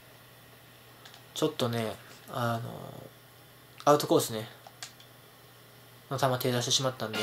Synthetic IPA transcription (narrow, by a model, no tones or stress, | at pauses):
t͡ɕo̞t̪ːo̞ne̞ano̰ | aɯ̟t̪oko̞ːsɨne | not̪amat̪e̞ːzaɕit̪e̞ɕimat̪ːãnd̪e